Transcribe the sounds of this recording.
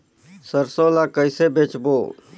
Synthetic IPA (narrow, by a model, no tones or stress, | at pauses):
səɾsolakəɪsebet͡ʃboː